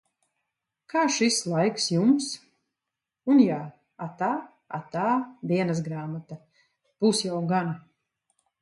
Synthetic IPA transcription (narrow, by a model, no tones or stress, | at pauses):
kʰaːʃislˠajksjums | unjaː | at̪aː | a̰t̪aːd̪iɛnasɡɾaːmat̪a | b̥usjawɡana